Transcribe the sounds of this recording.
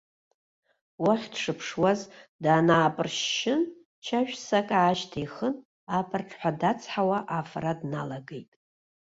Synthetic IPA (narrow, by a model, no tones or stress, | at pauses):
waχʲdʂɨpʰʂwazdaːnaːpʼɨrʃːɪn | t͡ʃʰaʒᶣsakʼaːʃtʰajχən | apʰɨrʈ͡ʂʰʼħʷadat͡sʰʼħawaʔafradnalaɡe̞jtʼ